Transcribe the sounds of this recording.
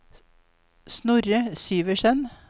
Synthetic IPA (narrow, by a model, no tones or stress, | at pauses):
snʊɾəsyːʋəʃɛn